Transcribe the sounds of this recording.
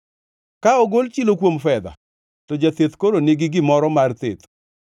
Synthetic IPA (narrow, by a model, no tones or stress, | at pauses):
kaɔɡolt͡ʃilokwomfɛd̪a̰ | tɔd͡ʒat̪et̪koɾonɪɡɪɡɪmɔɾɔmart̪et̪